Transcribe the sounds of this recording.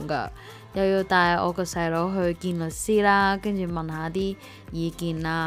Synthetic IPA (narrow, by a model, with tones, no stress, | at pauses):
ŋɡa̰˧ | jɐ˨wji˧t̪aː˧jɔ̰ː˨˧kɔ˧sɐ˨jlɔ˨˧˥ɦɵ˧ɥkiː˧nlɵ˨˩k̚siː˥laː˧kɐ˥ŋt͡ʃyː˨˩mɐ˨nɦaː˨˥t̪iː˥ | jiː˨˧kiː˨nlaː˧